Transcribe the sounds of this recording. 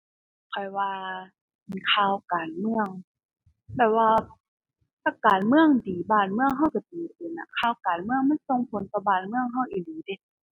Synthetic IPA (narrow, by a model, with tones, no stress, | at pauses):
kʰɔ˧˩jwaː˧ | miː˨˩kʰaː˧˨wkaː˨˩nmɯ˧əŋ | bɛː˨˩p̚waː˧ | t̪a˧˩kaː˨˩nmɯ˧˩əŋdiː˨˩˦baː˧˩nmɯ˧˨əŋɦa˧˥˩wka˧˩t̪iː˨˦pʰo˨˦nːʔa̰˧˩kʰaː˧˩wkaː˨nmɯ˧˥əŋma˧˥˨nso˧˨ŋpʰo˨˦nt̪ɔ˧˩baː˧˩nmɯ˧əŋɦa˧˥˩wʔiː˨˧˩diː˨˦de˧˦